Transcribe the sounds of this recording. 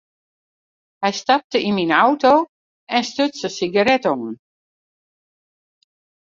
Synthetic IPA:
hɛjstap̚təinminawtoː | ɛnstøtsəsiɡaɾɛtoːn

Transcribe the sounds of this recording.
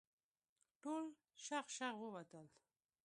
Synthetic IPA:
ʈol | ʃaχʃaχwəwat̪əl

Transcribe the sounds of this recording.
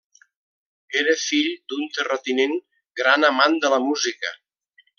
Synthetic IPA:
eɾəfiʎd̪unt̪ərət̪ineŋ | ɡɾanəmand̪ələmuzikə̰

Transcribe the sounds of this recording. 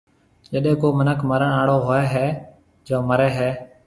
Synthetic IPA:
d͡ʒəɗẽːkoːmənəkʰməɾəɳaːɽoːɦoːeːɦɛː | d͡ʒoːməɾeːɦɛː

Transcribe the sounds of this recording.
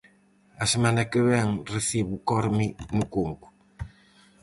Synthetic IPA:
ɐsemãnɐkeβɛŋreθiβukɔɾminukuŋku̥

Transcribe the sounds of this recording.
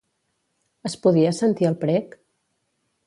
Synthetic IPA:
əspuðiəsənt̪iəlˠpɾɛk

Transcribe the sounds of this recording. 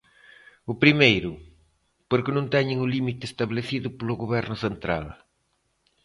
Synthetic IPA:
ʊpɾimejɾʊ | poɾkɪnõnt̪ɛɲɪŋʊlimit̪ɪːst̪aβleθiðʊpolʊɣoβɛɾnʊθent̪ɾa̰l

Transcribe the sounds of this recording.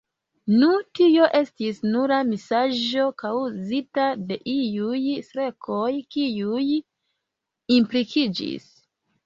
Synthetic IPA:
nutio̞ʔe̞stisnuɾamisaʒo̞kawzitade̞ʔiujsɾe̞kʰo̞jkiuj | implikʰid͡ʒḭs

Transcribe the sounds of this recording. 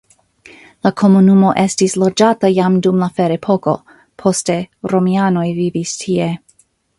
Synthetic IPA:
lakʰo̞munumo̞ʔe̞stislo̞d͡ʒatajamdumlafeɾepʰoko̞̰ | pʰo̞ste̞ɾo̞miano̞jvivistʰie̞

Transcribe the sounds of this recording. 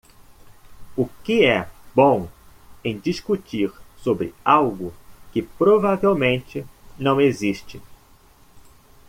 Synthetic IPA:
ʊkɪɛbõw̃ | ẽj̃d͡ʒiskut͡ʃiɾsobɾɪ̰awɡʊkɪpɾovavewmẽnt͡ʃɪnɐ̃w̃eziʃt͡ʃɪ

